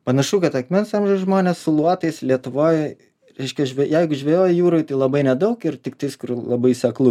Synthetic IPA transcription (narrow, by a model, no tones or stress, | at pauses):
pɐnɐʃuːkɐt̪ɐkmʲɛnsɑmʒʲɛʊsʒmoːnʲɛssʊlˠuɔt̪ɐɪslʲiɛt̪ʊʋoːj | ɾʲɛɪʃʲkʲɛʒʲʋʲɛjɛɪɡʊʒʲʋʲejoːjjuːɾoːɪt̪ɐɪlˠɐbɐɪnʲɛd̪ɐʊkɪrt̪ʲɪk̚t̪ɐɪskʊrlˠɐbɐɪsʲɛklˠʊ